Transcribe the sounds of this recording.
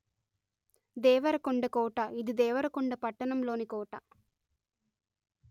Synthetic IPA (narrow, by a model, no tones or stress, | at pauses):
d̪ɛːʋɐɾɐkoɳɖɐkɔːʈɐid̪id̪ɛːʋɐɾɐkɔɳɖɐpɐʈːɐnɐmlo̞ːnikɔːʈɐ